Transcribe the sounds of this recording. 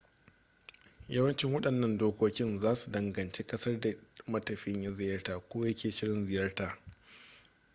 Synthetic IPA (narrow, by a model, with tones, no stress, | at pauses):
jɐ˦wɐ˦nt͡ʃɪ˦ŋwɐ˦ɗɐ˨nːɐ˦ndoː˦kʷoː˦kʲɪ˦nzaː˦su˨dɐ˨ŋɡɐ˨nt͡ʃeː˦kʼɐ˦sɐ˦rda˨mɐ˦tɐ˨ɸɪ˦ɲja˦zɪ˨jɐ˦rtaː˨kʷoː˦jɐ˦kʲeː˨ʃɪ˦ɽɪ˦nzɪ˨jɐ˦rtaː˨